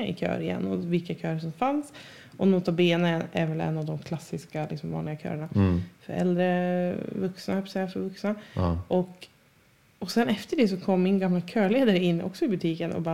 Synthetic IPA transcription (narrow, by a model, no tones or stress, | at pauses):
aɪ̰kʰø̰ːɾɪjɛ̰nːɔvɪlkːakʰøːɾʂɔmfans | ʔɔnʊt̪ʰːabeːnənæɾvɛlɛ̰nːavd̪ɔmkʰlasːɪskalɪksɔmvɑ̰nlɪɡakʰø̰ːɾəɳafœ̰ɾɛ̰ld̪ɾəvɵksnahpːsɛjafɔvɵksnaʔɔk | ɔsɛnɛft̪əɖɛsɔkʰɔmːɪnɡamlakʰøːɭeːd̪aɾəɪnːʔɔ̰ksɔɪbɵt̪ʰiːkənʔɔ̰bɑ